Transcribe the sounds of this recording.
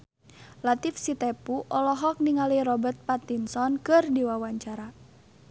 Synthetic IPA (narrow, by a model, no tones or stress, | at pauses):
lat̪ifsit̪epuʔɔlɔɦɔk̚niŋalirɔbərt̪̚pat̪insɔnkɨrdiwawaɲt͡ʃaɾa